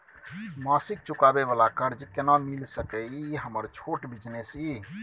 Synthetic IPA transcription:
masik̚t͡ʃukabeβalakəɾd͡ʒkenamilsəkɛiɦəməɾt͡ʃʰoʈbid͡ʒnesi

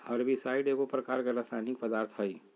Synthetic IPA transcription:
həɾbisaiɖeɡopɾəkaːɾkeɾasaɪnik̚pəd̪aːɾt̪ʰɦəi

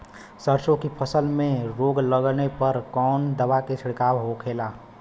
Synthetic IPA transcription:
səɾsõkipʰəsəlmẽɾoːɡləɡnepəɾkɔːnd̪əʋaket͡ʃʰɪɽkaːwɦokʰeːlaː

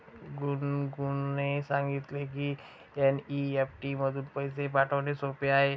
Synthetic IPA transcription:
ɡunɡunesãŋɡit̪lek̬iː | eniefʈiːməd̪ʱuːnpəjsepaʈʰəʋnesopeaɦe

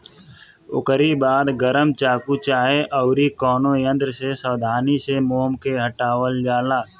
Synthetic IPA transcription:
ʊ̰kəɾibaːd̪ɡəɾəmt͡ʃaːkut͡ʃaːɦeʔɐʊɾikɔːnõjə̃nd̪ɾsesəwd̪ʱaːnisemoːmkeɦəʈaːwəld͡ʒaːlaː

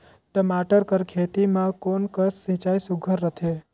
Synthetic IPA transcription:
t̪əmaːʈəɾkəɾkʰeːt̪imãkoːnkəsːĩt͡ʃaːisuɡʱəɾːət̪ʰe

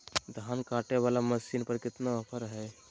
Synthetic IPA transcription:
d̪ʱaːnkaːʈeʋaːlaməsinpəɾkɪt̪naəpʰəɾɦɛ

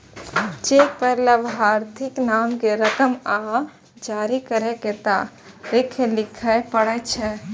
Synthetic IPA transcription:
d͡ʒepəɦləbɦaɾt̪ʰɪknamkeɾəkəma | d͡ʒaɾikəɾeket̪a | ɾekʰːelɪkʰəjpəɽət͡ʃʰɛ

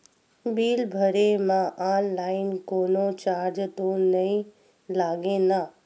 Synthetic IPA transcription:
biːlbʱəɾemãʔaːnlaːɪnkoːnot͡ʃaːɾd͡ʒt̪onəĩ | laːɡena

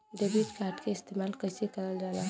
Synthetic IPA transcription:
ɖebiʈkaɾʈkeɪst̪emalkəjsekəɾəld͡ʒala

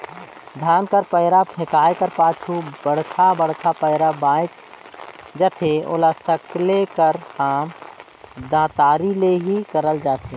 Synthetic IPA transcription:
d̪ʱaːnkəɾpəɪɾapʰẽkaːekəɾpaːt͡ʃʰubəɽ̤kʰabəɽkʰapəɪɾabãːt͡ʃ | d͡ʒət̪ʰeo̰ːlasəklekəɾhaːm | d̪ãːt̪aːɾileɦikəɾəld͡ʒaːt̪ʰe

